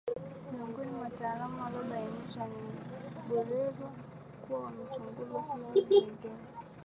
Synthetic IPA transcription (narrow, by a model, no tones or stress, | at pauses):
miuŋɡɔnimwataːlamaalɔɓainiʃwaniɓwɛlɛzwa | kuwawamat͡ʃuŋɡuzikiaɛŋɡɛla